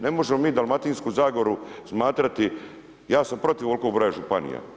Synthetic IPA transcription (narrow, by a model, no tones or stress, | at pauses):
ne̞mo̞ʒemo̞miːd̪alˠmat̪iːnskuzaːɡoɾusmaːt̪ɾat̪i | jaːsampɾo̞t̪iʋo̞lˠkoɡbɾoːjaʒupanḭja̰